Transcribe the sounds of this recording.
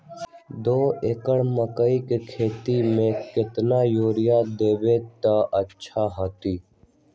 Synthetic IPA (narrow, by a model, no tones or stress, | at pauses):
d̪oːeːkəɽməkəikekʰeːt̪imẽkɪt̪naːjoːɾɪjaːd̪eːbeːt̪aːʔətːʃʰaːɦoːt̪iː